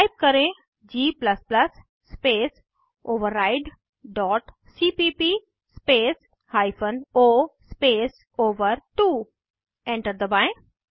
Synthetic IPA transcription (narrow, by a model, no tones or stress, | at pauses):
aɪp̚kəɾẽ | d͡ʑiːplɐsplɐsː | peːs | oːʋəɾːaːɪɖ | ɖɔːʈ | siːpipi | speːs | haɪfənoːspeːs | oːʋəɾʈuː | ẽɳʈəɾd̪əbaɪ̃